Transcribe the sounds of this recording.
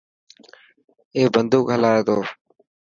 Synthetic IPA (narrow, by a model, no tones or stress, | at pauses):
eːbənd̪uːkɦəlaːeːt̪oː